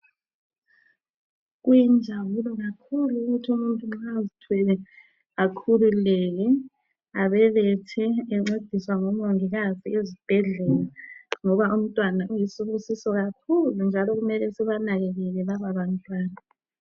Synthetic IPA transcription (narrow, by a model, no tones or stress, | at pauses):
ɣujind͡ʒʱawulɔɣakʰuluuɣutʰiumuntʼuŋ͡ǁazitʰwɛlɛ | ɣakʰululɛɣɛ | aβɛβɛtʰɛːŋ͡ǁed̥ʱiswaŋɔmoŋiɣaziezib̥ʱɛɮɛlaŋɔβaum̩tʼwanaujisuβusisɔɣakʰulund͡ʒʱalɔɣumɛlɛsiβanaɣɛɣɛɣɛβaβaβantʼwaːna